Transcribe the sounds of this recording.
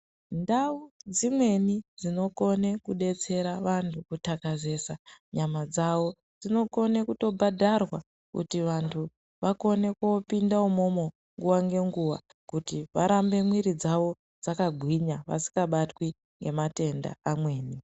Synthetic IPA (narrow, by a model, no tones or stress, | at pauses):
ndaud͡zimwe̞nid͡zino̞ko̞ne̞kuɗe̞t͡se̞ɾaʋantʰukutakaze̞ːsaɲamad͡zawo̞ | d͡zino̞ko̞nekuto̞bʱadʱarwa | kṵtiʋantʰu | ʋako̞ne̞kopindaumo̞mo | ŋɡuwaŋɡe̞ŋɡuʋa̰ | kutiʋaɾambe̞mwiɾid͡zaʋo̞ | d͡zakaɡʱwiɲaʋa̰si̥kɡaɓatwi | ŋɡe̞mate̞nda̰amwe̞ːni